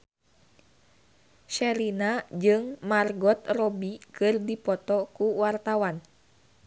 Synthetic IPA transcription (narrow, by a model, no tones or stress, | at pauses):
ʃɛɾinad͡ʒɨŋmarɡɔt̪rɔbikɨrdipɔt̪ɔkuwart̪awan